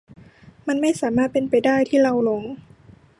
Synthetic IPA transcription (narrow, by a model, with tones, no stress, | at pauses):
ma˧˥nma˥˩jsaː˩˦maː˥˩t̪̚pe˧npa˨˧jdaː˥˩jt̪ʰiː˥˩la˧wlo˧˦ŋ